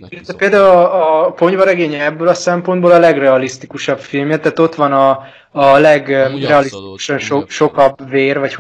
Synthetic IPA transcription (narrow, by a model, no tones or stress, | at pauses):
ilɛt̪ʋɛpeːld̪aːulɒɒpo̞ɲvɒɾɛɡeːɲɛbːølɒsɛmpo̞nboːlɒlɛɡrɛɒlist̪ikuʃɒbfilmjɛt̪aːt̪o̞t̪ʋɒnɒː | lɛɡrɛɒlist̪iku̥ʃɒnʃoʃo̞kɒbveːrvɒc